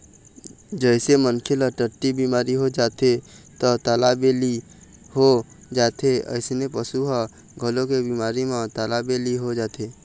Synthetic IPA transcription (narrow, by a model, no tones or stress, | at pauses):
d͡ʒəɪsemənkʰeləʈəʈːibimaːɾiɦod͡ʒaːt̪et̪ət̪alabeli | ho | d͡ʒaːt̪eə̰ɪsnepəsuɦa | ɡʱəlõkebimaːɾimãt̪alabeliɦod͡ʒaːt̪ʰe